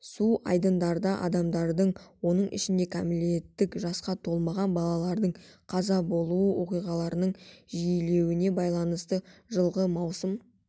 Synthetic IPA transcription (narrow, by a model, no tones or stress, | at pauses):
suʔɑ̰jd̪ənd̪ɑɾd̪ɑʔɑ̰d̪ɑmd̪ɑɾd̪əɴwo̞nəɴʔɪ̰ʃɪnd̪e̞kʰamlie̞t̪ːɪkʒɑsqɑt̪ʰo̞lˠmɑʁɑnbɑlˠɑlˠɑɾd̪əɴqʰɑzɑbo̞lˠuəwo̞qijʁɑlˠɑɾənəɴʒijle̞wɪne̞bɑjlˠɑnəst̪əʒəlˠʁəmɑwsəm